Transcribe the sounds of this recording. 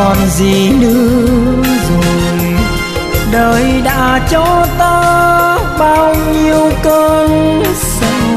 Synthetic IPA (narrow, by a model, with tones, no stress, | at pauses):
ɔ˨˩nzi˨˩nɨ̰˧˥ə | zo˨˩ | jj | ɗəː˨˩jɗa̰ː˧˥t͡ɕɔ˧˦t̪aː˧ | ɓaː˧wɲi˧əwkəː˧nsa˧˥